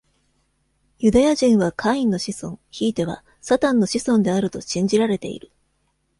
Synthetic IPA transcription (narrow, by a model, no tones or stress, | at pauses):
jɯ̟d̪ajaʑĩɰ̃βakʰaĩnːo̞ɕisõ̞ŋ̃çiːt̪e̞β̞a̰ | sat̪ãnːo̞ɕisõ̞nd̪e̞aɾɯ̟t̪o̞ɕĩɲ̟d͡ʑiɾaɾe̞t̪e̞̰ḭɾɯ̟